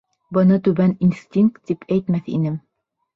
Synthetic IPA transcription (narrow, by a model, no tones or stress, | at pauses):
bɤ̆nɤt̪ʉβæninst̪ʲiŋk̚t̪ːipʰæjt̪mæθḭnɘm